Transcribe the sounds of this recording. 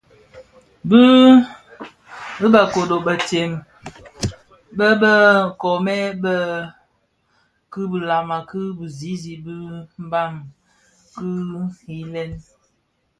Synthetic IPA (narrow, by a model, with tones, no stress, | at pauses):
bə˦ | bə˦bə˨ko˨do˨bə˨te˨m | bə˦bə˦kɔ˨mɛ˦bə˦ | kɨ˦bə˨la˨ma˨kɨ˦bu˨zi˨˦zi˨bɨ˦m̩˦ba˦˨ŋ | kɨ˦i˦lɛ˦n